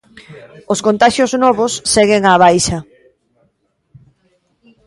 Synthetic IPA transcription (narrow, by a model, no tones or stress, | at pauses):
oskõnt̪aʃjoznɔβosːɛɣɪŋaβ̞ajʃɐ